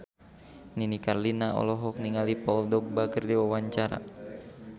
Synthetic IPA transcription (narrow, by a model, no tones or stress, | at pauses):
ninikarlinaɔ̰lɔɦɔk̚niŋalipɔldɔk̚bakərdiwawaɲt͡ʃaɾa̰